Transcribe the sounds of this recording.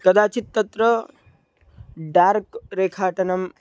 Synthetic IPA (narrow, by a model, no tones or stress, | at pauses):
kɐd̪aːt͡ʃit̪ːɐt̪ɾɐ | ɖaːɾkɾeːkʰaːʈɐnɐm